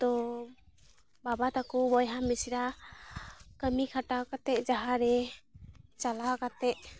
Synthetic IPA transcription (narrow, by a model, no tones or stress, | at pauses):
t̪ɔ | babat̪akubɔjɦamːisiɾa | kəmikʰaʈakat̪ɛʔd͡ʒaɦaɾɛ | t͡ʃalakat̪ɛʔ̚